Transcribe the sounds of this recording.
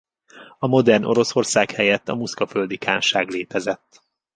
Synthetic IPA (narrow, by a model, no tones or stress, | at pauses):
ɒmo̞d̪ɛrnʔo̞̰ɾo̞so̞rsaːkhɛjɛt̪ːɒmuskɒføld̪ikʰa̰ːnʃaːɡleːt̪ɛzɛt̪ː